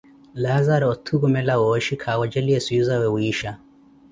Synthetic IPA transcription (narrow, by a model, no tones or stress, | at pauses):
lazaɾɔɔtʰuɣumɛlawoʃikʰawɔd͡ʒɛliesujuzawɛwiːʃa